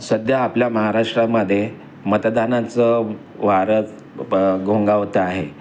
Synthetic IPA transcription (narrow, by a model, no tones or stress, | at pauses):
səd̪jaːpljaməɦaɾaʂʈɾaməd̪ʱːje | mət̪d̪anat͡sə | ʋ̤aɾə | ɡʱõŋɡaʋt̪əaɦe